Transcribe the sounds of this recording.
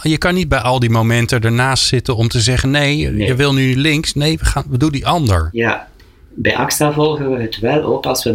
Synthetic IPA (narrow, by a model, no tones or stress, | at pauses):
jəkɑnid̚bɛjɑlˠdimowmɛntədaːɹnaːstsɪtənɔmtəzɛχənːejjəʋɪlˠnylɪŋksnejʋəχaːnbədulˠdiʔɑndə̰ɹja | bɛjʔɑkstavɔlˠɣəʋəɦətʋɛlo̰kɑlˠsʋə